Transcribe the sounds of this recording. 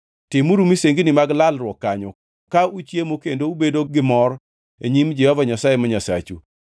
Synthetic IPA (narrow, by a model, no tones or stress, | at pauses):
tɪmuɾumiseŋɡinɪmaɡlalɾwɔkːaɲɔ | kaut͡ʃjemokendoubedoɡɪmɔɾ | eɲimd͡ʒɛhɔvaɲasajemaɲasa̰t͡ʃṵ